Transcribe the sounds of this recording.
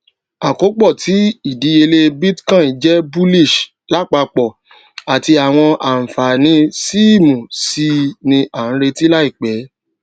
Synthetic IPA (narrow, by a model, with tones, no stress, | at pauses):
a˨ko˨˦k͡pɔ˦˨tʰi˨˦i˦˨di˨˦e˧le˦bi˦tkã˦˨i˨˦d͡ʒɛ˨˦bu˦li˦˨ʃ | la˦k͡pa˧k͡pɔ˨ | a˨ti˧a˨w̃ɔ̃˧ʔa˨n̩˨fa˨nĩ˧˦si˦˨mũ˨si˦nĩ˧ʔa˨ñ̩˦ɾe˧ti˦la˦i˦˨k͡pɛ˨˦